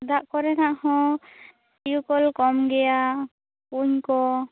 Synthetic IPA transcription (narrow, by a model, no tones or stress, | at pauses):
d̪aʔkɔɾɛnaʔhɔ̃ | ijukɔlkɔmɡɛja | kuɲkɔ